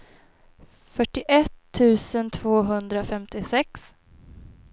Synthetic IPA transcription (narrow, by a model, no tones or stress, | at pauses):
fœʈːɪʔɛt̪ʰːʉ̟ːsənt̪ʰv̥oːɦɵnd̪ɾafɛmt̪ɪsɛks